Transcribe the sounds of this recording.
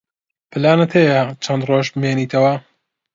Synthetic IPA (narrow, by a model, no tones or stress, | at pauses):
pʰɨlaːnɐt̪ʰejɐt͡ʃʰɐnd̪roːʒbɨmeːniːt̪ʰɐwɐ